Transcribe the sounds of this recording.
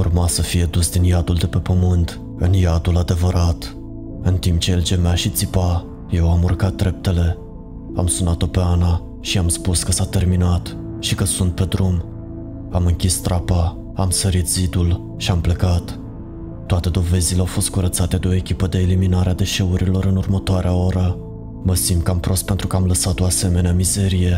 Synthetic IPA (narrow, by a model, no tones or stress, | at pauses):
urmasəfije̞d̪usd̪injad̪uld̪e̞pe̞pəmɨnt̪ | ɨnjad̪ulad̪e̞vəɾat̪ | ɨnt̪imp̚t͡ʃe̞eld͡ʒe̞meaʃit̪sipa | je̞wamurkat̪̚d̪ɾe̞p̚t̪e̞le̞ | amsunat̪o̞pe̞ana | ʃiamspuskəsat̪e̞rminat̪ | ʃikəsunt̪̚pe̞d̪ɾum | amɨŋkʲist̪ɾapa | amsəɾit̪z̥id̪ul | ʃiample̞kat̪ː | oat̪e̞d̪o̞ve̞zileawfo̞st̪kuɾət̪sat̪e̞d̪eo̞ekʲipəd̪e̞ːliminaɾead̪e̞ʃe̞uɾilo̞ɾɨnurmət̪oaɾeao̞ɾə | məsimd̪̚kəampɾo̞st̪pe̞nt̪ɾukəamləsat̪o̞ase̞me̞neamize̞ɾije̞